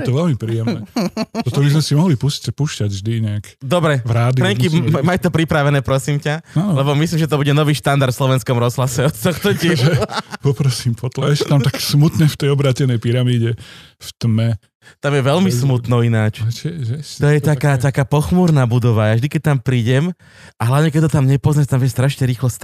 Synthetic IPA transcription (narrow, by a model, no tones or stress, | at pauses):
jɛt̪ɔʋɛlmipɾiːjɛmnɛt̪ɔt̪ɔbizmɛsimɔɦlipuscpuːʃcaɟʒd̪iɲɛakd̪ɔbɾɛvɾaːd̪ipɾɛɲkimamajt̪ɔpɾipɾaʋɛnɛːpɾɔsiːmcaanɔlɛbɔmislimʒɛt̪ɔbuɟɛnɔʋiːʃt̪and̪aɾt̪fslɔʋɛnskɔmɾɔzɦlasɛɔt̪ɔxt̪ɔɟiɛupɔpɾɔsiːmpɔt̪laɛʃt̪amt̪aksmut̪ɲɛft̪ɛjɔbɾaːcɛnɛjpiɾamiːɟɛ | ft̪mɛ | t̪amjɛʋɛʎmismut̪nɔinaːt͡ʃt͡ʃɛʒɛt̪ɔjɛt̪akaːt̪akaːpɔxmuːɾnaːbud̪ɔʋajavʒd̪ikɛc̚t̪ampɾiːɟɛm | aɦlaʊɲɛkɛt̪ːɔt̪amɲɛpɔznat̪amʋɛst̪ɾaʃɲɛɾiːxlɔs